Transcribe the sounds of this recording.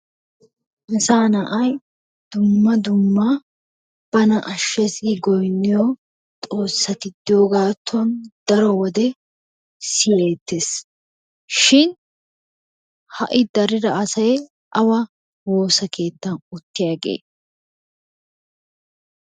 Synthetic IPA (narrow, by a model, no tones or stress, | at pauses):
ʔɐsaːnɐʔɐj | d̪̥ʊmːɐd̪ʊmːɐ | b̥ɐnɐʔɐʃːɛsɪɡɔjnːɪjɔ | t̪ʼo̞ːsːɐt̪ɪd̪ːɪjoːɡaːt̪ːʊɐnd̪̥ɐɾɔwɔd̪ɛ | sɪjeːt̪ːes | ʃɪn | hɐʔɪd̪ɐɾɪd̪ɐɐsɐj | ʔɐwɐ | wo̞ːsɐkʰe̞ːt̪ːɐnʊt̪ːɪjaːɡḛː